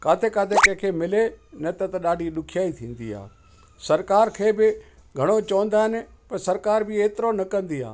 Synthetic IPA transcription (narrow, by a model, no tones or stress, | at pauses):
kaːt̪ʰekaːt̪ʰekɐ̃ɦɪ̃kʰeːmɪlenɐt̪ɐt̪ɐɗaːɖʱiɗʊkʰijaːit̪ʰĩːn̆d̪ḭa̰ː | sɐɾkaːɾkʰeːbɪ | ɡʱɐɽ̃ot͡ɕɐʋə̃nd̪aːɦɪnɪ̆pɐɾsɐɾkaːɾbɪeːt̪ɪɾonɐkɐ̃nd̪ia̰ː